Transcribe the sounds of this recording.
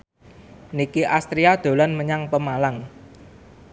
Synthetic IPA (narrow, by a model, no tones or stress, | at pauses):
nikiʔast̪ɾiad̪̥o̤lanməɲaŋpəmalaŋ